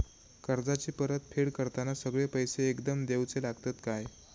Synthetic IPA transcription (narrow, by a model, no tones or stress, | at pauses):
kəɾd͡zat͡ɕiːpəɾət̪̚pʰeɽkəɾt̪anasəɡɭepəjseːkd̪əmd̪ewt͡selaɡt̪ət̪kaj